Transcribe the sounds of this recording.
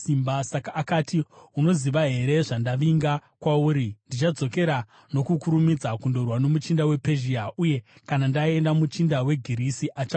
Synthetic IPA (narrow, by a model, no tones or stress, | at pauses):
imbasakaːkaːtiuno̞ziʋaɦe̞ɾe̞ʐandaʋiŋɡakwauːɾindit͡ʃad͡zo̞ke̞ɾa | no̞kukuɾumid͡zakundo̞rwano̞mut͡ʃindawe̞pe̞ʒiaʔuje̞kanandaie̞ndamut͡ʃindawe̞ɡʱiɾisiʔat͡ʃa